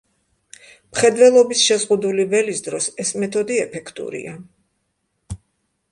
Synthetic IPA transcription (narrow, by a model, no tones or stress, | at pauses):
mχɛd̪vɛlˠɔbisʃɛzʁud̪ulivɛlisd̪ɾɔsɛsmɛt̪ʰɔd̪iɛpʰɛkʰt̪ʼṵɾḭa